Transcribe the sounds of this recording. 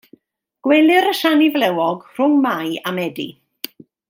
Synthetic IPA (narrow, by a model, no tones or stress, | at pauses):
ɡ̥wɛlˠɨɾəʃanivlɛwɔɡr̥ʊŋmajamɛdḭ